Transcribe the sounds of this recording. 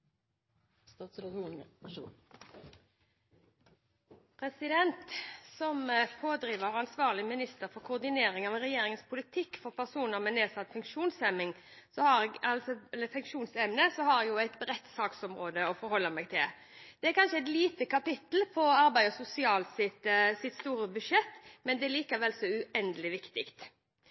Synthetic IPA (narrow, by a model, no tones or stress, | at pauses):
pʰʁɛsɪd̪ɛnt̪sɔmpʰoːd̪ɾiːʋəʁɑnsʋɑːʁlɪmɪnɪst̪əɾfɔɾkʰʊːʁd̪ɪneːɾɪŋɑʋɾɛjeːɾɪŋənspʰʊlɪt̪ʰɪkːfɔʁpʰæʁsuːnəʁmɛneːsɑt̪ːfʉŋkʂuːnsɛmːɪŋ | sɔhɑɾɡɑlsɔɛləfʉŋkʂuːnsɛmnəsɔɦɑɾɛɡjʊæɪt̪bɾɛt̪ːsɑːksɔmɾoːd̪əɔfɔɾhɔlːəmɛɡt̪ʰɪl | d̪̥ɛæɾkʰɑnʃəɛt̪liːt̪əkʰɑpɪt̪l̩pʰɔɑɾbæɪɔsʊsɪɑːlsɪt̪sɪt̪st̪uːɾəbʉʂɛt̪ːmɛnd̪ɛliːkəʋɛlsɔʉɛnd̪əlɪʋɪkt̪ɪkt̪